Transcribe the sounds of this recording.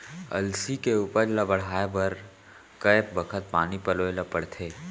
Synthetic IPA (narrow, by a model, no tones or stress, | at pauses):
ɐ̰lsikeuːpəɾlɐbəɽ̤aːebəɾ | kɐp̚bɐkʰət̪̚paːnipɐloːelapɐɽt̪ʰeː